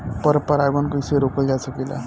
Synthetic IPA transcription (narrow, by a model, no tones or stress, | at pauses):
pəɾəpəɾaɡonkəjseɾokəld͡ʒat͡sʰəkila̰